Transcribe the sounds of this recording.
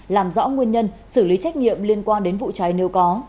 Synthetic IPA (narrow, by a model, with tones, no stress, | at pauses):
laː˨˩mzɔ̰˧˥ŋwi˧ənɲə˧nsɨ˧˩li˨˦t͡ɕa˦˥k̟̚ɲḭ˧˨əmli˧ənkwaː˧nɗe˨˦nvṵ˧˨t͡ɕə˨˦jne˨˦wkɔ˨˦